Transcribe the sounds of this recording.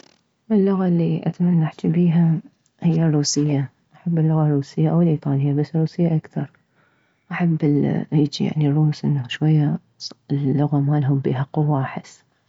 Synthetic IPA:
ʔɪlːʊɣalːiʔa̰t̪amanːaʕt̪ibiːɦa | hɪjːarˤːuːsɪjːa | ʔaħabːɪlːʊɣarˤuːsɪjːaʔawɪlʔiːt̪ˤɑːlɪjːabasːɪrˤːuːsɪjːaʔakθɑɾˤ | ʔaħab̰ːjɪd͡ʒija̰ʕnirˤːuːsʔɪnːaʃwajːa | lːʊɣamalɦʊmbḭːɦaqʊwːaʔaħɪsː

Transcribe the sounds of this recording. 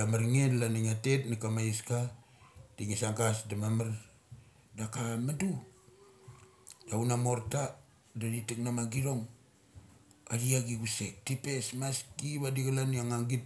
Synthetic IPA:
damaɾŋedlaniŋate̞tnikamaiska | d̥iŋisaŋɡasdamamaɾ | dakamadu | daunamo̞ɾta | daditiknamaɡiɾo̞ŋ | adiaɡiɡusek̚tipe̞smaskiβadiɡalaniaŋaŋɡit̚

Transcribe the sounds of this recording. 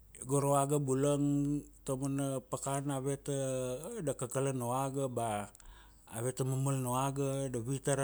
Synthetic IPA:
ɡoɾoaɡabuləŋt̪omənəpəkanawet̪ədakəkələnoaɡaba̰ː | wet̪əməməlnoaɡadawit̪a

